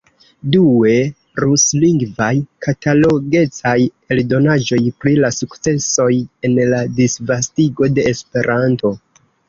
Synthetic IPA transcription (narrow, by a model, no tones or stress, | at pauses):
due̞ | ɾusliŋɡvajkʰatalo̞ɡe̞t͡saj | eldo̞nad͡ʒo̞jpɾilasukt͡se̞so̞je̞nladisvastiɡo̞de̞ːspe̞ɾʔanto̞